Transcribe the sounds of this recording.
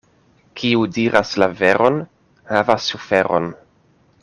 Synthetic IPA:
kʰiudiɾʔaslaveɾʔon | havasːufe̞ɾo̞̰n

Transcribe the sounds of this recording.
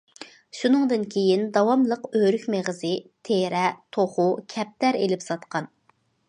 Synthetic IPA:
ʃunɨŋd̪ɨnkʲʰejind̪ɑwɑmlˠəqøɾykʲmeʁəzɨt̪ʰeɾɛt̪ʰoχukʲʰɛp̚t̪æɾelɪpsɑt̪qʰɑn

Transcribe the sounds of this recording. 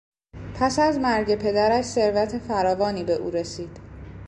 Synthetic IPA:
pʰæsæzmæɾɟe̞pʰe̞d̪æɾæʃse̞ɾvæt̪ʰe̞fæɾɒːvɒːniːbe̞ʔuːɾe̞siːd̪̥

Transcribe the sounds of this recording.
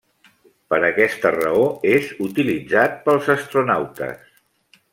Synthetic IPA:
pəɾəkɛst̪ərə̰oezut̪ilid͡zat̪̚pəlˠzəst̪ɾunawt̪ə̰s

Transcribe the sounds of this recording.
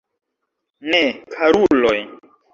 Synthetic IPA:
nekʰaɾuloj

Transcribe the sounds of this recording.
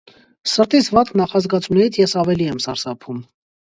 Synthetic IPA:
səɾt̪isvɑt̪kʰnɑχɑzɡɑt͡sʰunɛɾit͡sʰjɛsɑvɛliɛmsɑɾsɑpʰum

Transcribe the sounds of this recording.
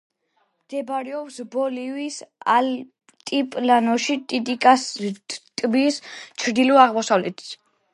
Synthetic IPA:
md̪̥ɛbɾɛɔpsbɔlivisal | t̪ʼipʼlanɔʃit̪ʼit̪ʼikʼast̪ʼbist͡ʃʰɾd̪ilɔaʁmɔsavlɛt̪ʰi̥

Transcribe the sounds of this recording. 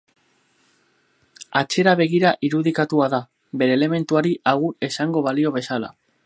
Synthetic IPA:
at͡ʃe̞ɾaβ̞e̞ɣ̞iɾaʔiɾuðikat̪uaða | be̞ɾe̞ːle̞me̞nt̪uaɾiʔaɣuɾe̞saŋɡo̞βalio̞β̞e̞sala̰

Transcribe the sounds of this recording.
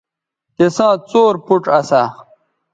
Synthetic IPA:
kesãːt͡soːɾpuʈɐsaː

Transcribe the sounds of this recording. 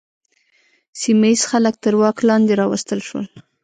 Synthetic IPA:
simaiz̥xalək̚t̪əɾwɑklɑnd̪eɾɑwast̪əlʃwə̰l

